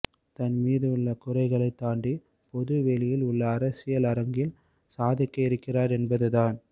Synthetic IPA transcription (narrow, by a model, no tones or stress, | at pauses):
t̪ɐnmiːðɯʊɭːɐkʊrɐɪɣɐɭɐɪt̪ːaːɳɖi | pɔðɯʋelɪjɪlʊɭːɐːɾɐsɪjɐlɐɾɐŋɡɪl | saːðɪkːɐɪɾɯkːɪraːɾɛnbɐðɯðaːn